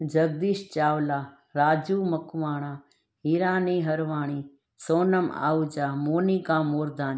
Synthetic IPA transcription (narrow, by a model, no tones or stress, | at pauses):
d͡ʒɐɡ̚d̪iːʃt͡ʃaːʋlaː | ɾaːd͡ʒuːmɐkʋaːɽ̃aː | ɦiːɾaːniːɦɐɾʋaːɽ̃iː | soːnəma̰ːud͡ʒaːmoːniːkãːmoːɾd̪aːni